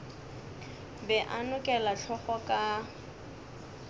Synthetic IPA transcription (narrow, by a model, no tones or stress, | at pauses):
bɛʔanʊkʼɛlaɬʰɔχɔkʼa